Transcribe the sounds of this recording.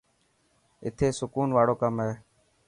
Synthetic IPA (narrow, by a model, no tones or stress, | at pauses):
ɪ̰t̪ʰeːsʊkuːnʋaːɽoːkəmɦeː